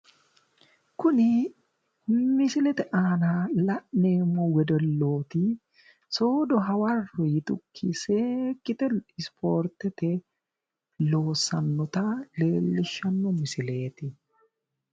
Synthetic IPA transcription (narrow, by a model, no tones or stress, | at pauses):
kʊnɪ | mɪsɪlɛt̪ɛʔaːnaːlɐʔneːmowɛd̪ɔlːoːt̪i | soːd̪ɔɦɐwɐrɔjɪt̪ʊkʰːiseːkɪt̪ɛɪspʰoːɾt̪ɛt̪ɛ | loːsɐnːɔt̪aleːlːɪʃɐnːɔmɪsɪleːt̪ɪ